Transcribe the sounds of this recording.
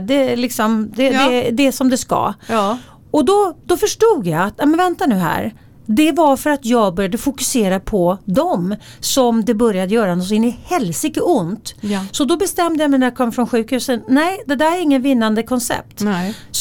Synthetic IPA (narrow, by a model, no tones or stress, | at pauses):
d̪ɛlɪksɔmd̪ɛd̪ɛd̪ɛsɔmd̪ɛska̰ | ɔd̪ɔd̪ɔfœʂʈuːɡjaat̪nɛjmɛnvɛnt̪anʉ̟ːɦæ̰ːɾ | d̪ɛvaɾfœɾat̪jɑːɡbœɾjad̪əfʊkɵ̥seːɾapʰɔd̪ɔmsɔmd̪ɛbœɾjad̪əjœːɾanɔs̬ɔɪnːɪhɛlsɪkːəʊnt̪sɔd̪ɔbɛst̪ɛmd̪əjamɛɪnæɾjakʰɔmːfɾɔnɧʉ̟ːkhʉ̟ːsənnɛɪd̪ɛd̪æɾæɾɪŋːənvɪnːand̪əkʰɔnsɛ̰p̚t̪